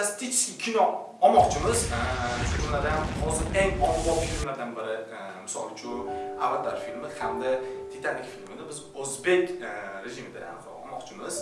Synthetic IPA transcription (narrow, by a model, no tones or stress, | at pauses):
st̪ʰet͡ʃɪ̥skʲikʲʰɪnɒ | ɒmɒqt͡ʃʰɪmɪzʃʊkʰʊnlaɾd̪anhɒzɪɾeŋɒnbɒt̪ɪkʲʰnlaɾd̪anbɪɾɪ | mɪsɒ̰lˠt͡ʃʰʊavːat̪̚ʰːabaɾfilmɪhamd̪at̪ʰet̪ʰanːɪkʲfilmɪd̪ɪbɪzozbe̞kʲɾeʒɪmɪd̪ɪha̰nɒ̰ɒmɒqt͡ʃʰɪmɪz̥